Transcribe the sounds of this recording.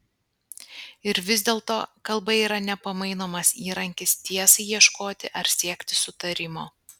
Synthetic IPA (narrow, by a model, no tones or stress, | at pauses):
ɪɾʋʲɪzʲd̪ʲeːlˠt̪oːkɐlˠbɐiːɾɐnʲɛpɐmɐɪnoːmɐsiːɾɐŋʲkʲɪst̪ʲiɛsɐɪjiɛʃkoːt̪ʲɪʔɐɾsʲiɛkʲt̪ʲɪ̥sʊt̪ɐɾʲɪmoː